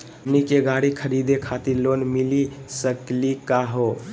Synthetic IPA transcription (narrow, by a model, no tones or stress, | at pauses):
ənikeɡaɽikʰəɾid̪ekʰat̪iɾlonmilisəklikaɦo